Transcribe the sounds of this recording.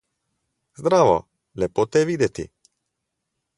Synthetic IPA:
zd̪ɾaːʋo̰ | lʲepot̪ɛʋiːd̪ɛt̪ḭ

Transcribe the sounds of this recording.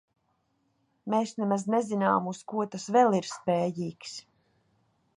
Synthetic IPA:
meːsnɛmaznɛzinaːmuskuɔt̪asvɛlˠiɾspeːjiːks

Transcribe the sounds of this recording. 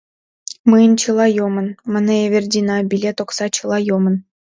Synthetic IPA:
mɨjənʲt͡ɕɯlˠɑjomə̆nmə̆nəeβʲerʲdʲinɑbʲilʲet̪oksɑt͡ɕɯlˠɑjomə̆n

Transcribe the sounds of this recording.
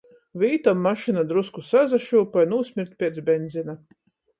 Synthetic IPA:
viːt̪amːaʃinad̪ɾuskusazaʃuːpajnuːsʲmʲiɾt̪̚ʲpʲiɛt̪sbʲɛnd̪zina

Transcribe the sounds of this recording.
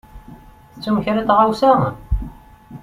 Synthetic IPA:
θət͡sːumçɾat̪ʁawsaʁən

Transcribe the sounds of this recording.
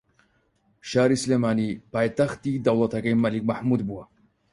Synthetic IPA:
ʃaːɾislemaːnipaːjt̪axt̪id̪ɐwlˠɐt̪ɐkajmɐlik̚maħmuːd̪buwɐ

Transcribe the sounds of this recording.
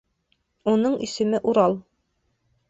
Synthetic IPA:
unɤɴɵ̰̆sɵ̆mɘʔuɾɑlˠ

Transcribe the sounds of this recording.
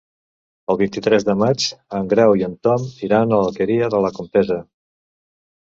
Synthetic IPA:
əlˠβint̪it̪ɾɛzðəmad͡ʒəŋɡɾɛwiənt̪ɔmiɾanələkəɾiəðələkumpɛzə

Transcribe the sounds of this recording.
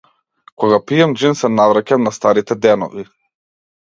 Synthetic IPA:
kɔɡapiɛmd͡ʒinsɛnavɾacamnast̪aɾit̪ɛd̪ɛnɔ̰vi

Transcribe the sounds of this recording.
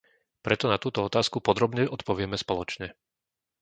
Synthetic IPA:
pɾɛt̪ɔnat̪uːt̪ɔɔt̪aːskupɔd̪ɾɔbɲɛʔɔt̪pɔʋɪɛmɛspɔlɔt͡ʃɲɛ

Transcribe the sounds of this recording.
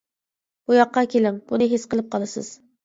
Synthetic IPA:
b̥ujɑqːɑkʲʰelɪŋb̥unɨɦesqəlˠɨp̚qʰɑlˠɨsɨ̰z̥

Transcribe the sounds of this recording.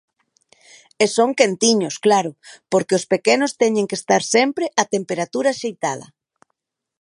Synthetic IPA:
esoŋkent̪iɲʊsklaɾʊpoɾkɪʊspekenʊst̪ɛɲẽŋkest̪aɾsɛmpɾɪʔat̪empeɾat̪uɾaʃejt̪að̞ɐ̰

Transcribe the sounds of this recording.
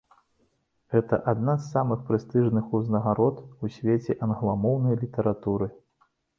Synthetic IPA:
ɣɛt̪ɐ̰ʔad̪nazːamɨxpɾɨst̪ɨʐnɨxuznɐɣaɾɔt̪usʲvʲet͡sʲɛʔɐnɣlˠamɔwnɐjlʲit̪ɐɾat̪uɾɨ

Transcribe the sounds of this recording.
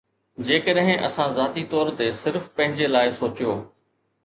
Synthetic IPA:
d͡ʑeːkəɗɦɪ̃ʔɐ̰sãzaːt̪it̪ɔːɾt̪esɪɾfpɐ̃ɦɪ̃ɲd͡ʑelaːɪsoːt͡ɕijoː

